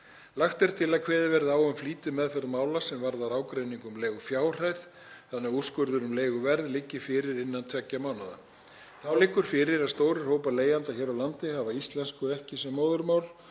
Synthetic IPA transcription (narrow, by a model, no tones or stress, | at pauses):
laxt̪ɛɾ̥t̪ʰɪlaðkʰvɛːðɪvɛɾðawʏmfliːt̪ɪmɛðfɛɾðmaːwlasɛmvaɾðaɾaːwkɾejniŋkʏmleːɣʏfjaːwr̥ajð | θanːɛɣuskʏɾðʏɾʏmleːjɣʏvɛɾðlɪcːɪ̥fɪːɾɪɾɪnːant̪ʰvɛcːamaːwnaða̰ | θawlɪkːʏɾ̥fɪːɾɪɾaðst̪oːwɾʏr̥hoːwpaleːjant̪açɛːɾawlant̪ɪhavaist̪lɛnskʏɛhcɪsɛmːoːwðʏɾmawl